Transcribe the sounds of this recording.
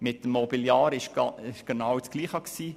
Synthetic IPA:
mɪtːəmːɔbiljɑːɾɪʃɑɪʃɡ̥enɑwt͡sɡ̥liːχɑksiː

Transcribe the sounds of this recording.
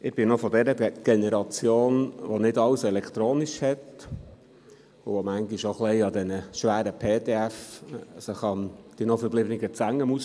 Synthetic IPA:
ɪb̥ɪnɔfɔdɛɾədɛɡ̥ɛnɛɾɑt͡sjoːnʋonɪdɑwsɛlɛkʰt̪ɾoːniʃhɛt | ʊʋomæŋɡiʃoχlɛɪɑd̪ɛnəʃʋæːɾəpʰeːteæfsəχɑnd̥inɔfəblɪbnɪɡət͡sæŋːəmus

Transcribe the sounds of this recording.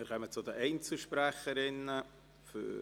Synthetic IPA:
ɪɾkʰœmət͡sʊdəʔɛɪnt͡sl̩ʃpɾæχəɾɪnə | fy̰

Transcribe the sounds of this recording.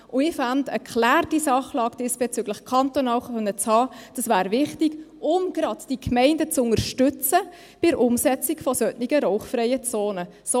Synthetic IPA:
ʔʊɪfɑndəkʰlæːɾdisɑχlɑːɡ̥d̥ɪsb̥et͡syɡləχkʰɑntonɑːlχœnːət͡shɑːd̥ɑsvæːɾvɪχtɪɡʊmɡ̥ɾɑdd̥ikmɛɪndət͡sʊŋəɾʃtʏt͡sə | b̥ɪɾʔʊmsɛt͡sɪkfɔsœtnɪɡəɾoʊχfrɛɪət͡soːnə | so

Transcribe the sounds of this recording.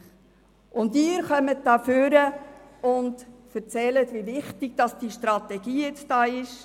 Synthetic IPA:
ʔʊndɪːəɾχœmət̚dɑːføɾəʊndfəɾt͡sɛlətʋiʋɪχtɪɡ̚d̥ɑsd̥iʃtɾɑtɛɡ̥iːjɛt͡sd̥ɑːɪʃ

